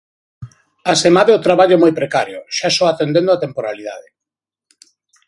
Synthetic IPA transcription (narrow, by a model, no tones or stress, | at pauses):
asemaðeot̪ɾaβaʎʊmojpɾekaɾjʊ̰ʃasɔat̪end̪ẽnd̪oat̪empoɾaliða̰ðe